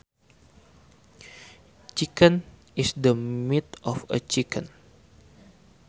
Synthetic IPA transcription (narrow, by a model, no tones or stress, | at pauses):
t͡ʃikə̃n | isdəmit̪ɔfə̰t͡ʃikʰə̰̃n